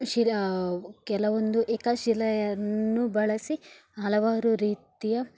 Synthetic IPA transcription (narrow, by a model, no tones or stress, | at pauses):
ʃil | kɛlɐʋond̪uʔɛkɐʃilɐjɐnːubɐɭɐsi | ɦɐlɐʋaːɾuɾiːt̪ijɐ